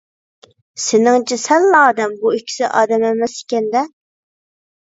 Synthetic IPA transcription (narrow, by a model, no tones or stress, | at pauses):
sɪnɪŋt͡ʃʰɛsɛlːɑːd̪ɛmbuykʲʰːi̥sɪʔɑ̰ːd̪ɛmɛmɛsi̥kʲɛnd̪ɛ